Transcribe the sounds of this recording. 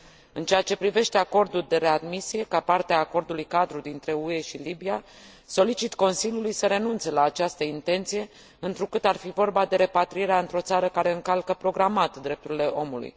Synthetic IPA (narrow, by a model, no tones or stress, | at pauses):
ɨnt͡ʃeat͡ʃe̞pɾive̞ʃt̪e̞ako̞rd̪uld̪e̞ɾe̞ad̪misije̞kapart̪eaːko̞rd̪ulujkad̪ɾud̪int̪ɾe̞ue̞ʃilibia | so̞lit͡ʃit̪ko̞nsilʲjulujsəɾe̞nunt̪se̞laːt͡ʃast̪əint̪e̞nt̪sije̞ | ɨnt̪ɾukɨt̪arfivo̞rbad̪e̞ɾe̞pat̪ɾieɾeaɨnt̪ɾo̞t̪saɾəkaɾe̞ɨŋkalkəpɾo̞ɡɾamat̪d̪ɾe̞p̚t̪uɾile̞ʔo̞mulṵj